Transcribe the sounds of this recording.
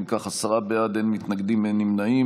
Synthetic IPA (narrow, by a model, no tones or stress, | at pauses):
kaχasaʁabead̪enmit̪naɡd̪imenimnai